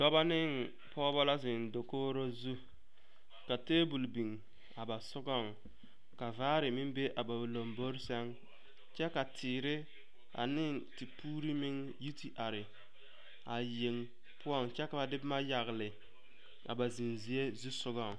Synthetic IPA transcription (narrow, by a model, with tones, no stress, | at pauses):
dɔ˦ba˦nɪ˦ŋ | pɔː˦bɔ˦la˦zɪ˨n˨do˨koː˦ɾo˦zu˦ | ka˨teː˦bu˨lbi˨ŋ | a˨ba˨sʊ˦ɡɔ˦˨ŋ | ka˨vaː˦ɾɪ˨mɪ˦mbe˦ʔa˨ba˨lo˨mbo˦ɾsɛ˦ŋ | t͡ʃɛ˦ka˨tʰɪː˨ɾɪ˦ | a̰˨nɪ˦ŋti˨puː˦ɾi˦mɪ˦ŋ | ji˦ti˦ʔa˨ɾɪ˨ | a˨je˨ŋ | pʊ˦ɔ˦˨ŋt͡ʃɛ˦ka˨ba˨dɪ˦bɪ˦ma˦ja˨ɣlɪ˨ | a̰˨ba˨zi˨nzi˨e˦zu˦sʊ˦ɡɔ˨ŋ˨